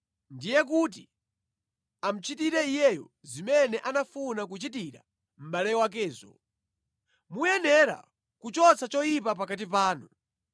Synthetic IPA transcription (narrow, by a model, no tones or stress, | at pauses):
ndijɛk̬ut̬i | am̩t͡ʃitiɾɛijɛjɔ | zimɛnɛʔanafunak̬ut͡ʃitiɾa̰ | m̩ɓalɛwak̬ɛːzɔ̰ | mujɛnɛɾa̰ | kut͡ʃɔt͡sat͡ʃɔjipapakat̬ipaːnu